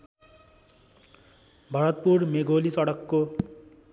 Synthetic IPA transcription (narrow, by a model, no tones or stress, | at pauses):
bʱʌɾʌt̪̚purmeɡʱolisʌɽʌkːo